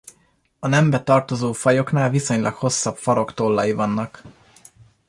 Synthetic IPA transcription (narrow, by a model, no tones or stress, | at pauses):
ɒnɛmbɛt̪ɒrt̪o̞zoːfɒjo̞kn̪aːlviso̞ɲlʔɒ̰kho̞sːɒpfɒɾo̞kt̪o̞lːɒjivɒnːɒk